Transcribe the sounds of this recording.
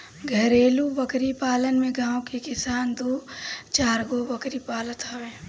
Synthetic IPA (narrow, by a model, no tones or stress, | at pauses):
ɡʱəɾeːlubəkɾipaːlənmẽɡãːwkekɪsaːnd̪oːt͡ʃaːɾɡobɐkɾipaːlət̪ɦẽː